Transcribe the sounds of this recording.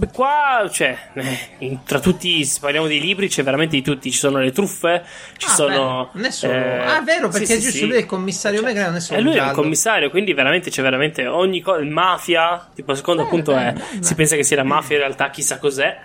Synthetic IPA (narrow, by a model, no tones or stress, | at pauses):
kːwat͡ʃoɛɛt̪ɾat̪ːut̪ːise̥parlːjamod̪ejliːbɾit͡ʃɛveɾament̪ed̪it̪ut̪ːit͡ʃi̥soːnolet̪ɾufːe | t͡ʃi̥soːnonɛsːaɛvːeːɾopseised͡ʒust̪oujɛlkomːisːaɾjomɛɡɾɛnɛsːoɛlːujɛkomːisːaːɾjokwind̪iveɾament̪et͡ʃɛveɾament̪eoɲːikːɔmaːfjat̪iːpols̬e̥kond̪oapːunt̪oɛsipɛns̬akesːialamaːfjaĩrealt̪ak̟ːisːakːozɛ